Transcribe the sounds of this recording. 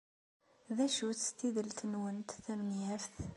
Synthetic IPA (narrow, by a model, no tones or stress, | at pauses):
ðæʃuθst̪iðəlt̪ənwənt̪θæmənjæfθ